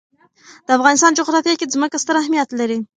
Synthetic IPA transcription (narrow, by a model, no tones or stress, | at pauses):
d̪̥əafɣɑnɪst̪ɑnd͡ʒʊɣɾɑt̪jakezməkast̪əɾahmijat̪laɾi